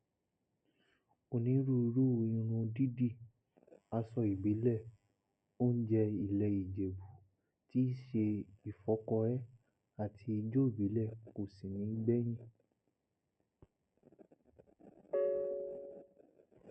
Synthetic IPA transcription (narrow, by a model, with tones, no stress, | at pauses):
o˨nĩ˨˦ɾu˦i˧ɾu˦˧jĩ˧ɾ̃ũ˧di˦di˦˨ | a˧sɔ˧i˨bi˨˦lɛ˦˨ | o˦n̩˦d͡ʒɛ˧i˨lɛ˧i˨d͡ʒe˨bu˨˦ | ti˦ʃe˧i˨fɔ˨˦kɔ˧ɛ˦ | a˦˨tʰi˧i˧d͡ʒo˦i˦˨bi˨˦lɛ˦˨ko˨si˨nĩ˨˦ɡ͡bɛ˦j̃ĩ˦˨